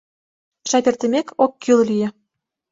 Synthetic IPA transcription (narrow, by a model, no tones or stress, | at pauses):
ʃɑpʲĕrt̪ɘ̆mʲekʰokːyllyjĕ